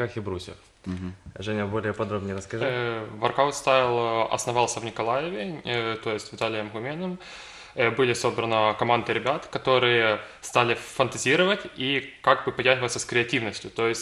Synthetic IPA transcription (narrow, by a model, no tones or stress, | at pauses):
axʲɪbɾusʲɪ̰f | ʐɛnʲəbo̞lʲɪjəpɐd̪ɾobnʲɪjəɾəskɐʐvɐrkawt̪st̪avʲɪlˠɐ̰snɐvɑlˠsʲəvnʲɪkɐlˠajɪvʲɪt̪o̞jɪsʲtʲvʲɪt̪alʲɪjəmɣʊmʲenɨm | bɨlʲɪso̞bɾənəkɐmand̪ɨɾʲɪbʲat̪kɐt̪o̞ɾɨjə | st̪alʲɪfənt̪ɐzʲiɾəvətʲikaɡ̚bɨpɐdʲaʐəvəsʲəskɾʲɪɐtʲivnəsʲtʲjʊt̪o̞jɪsʲt̚ʲ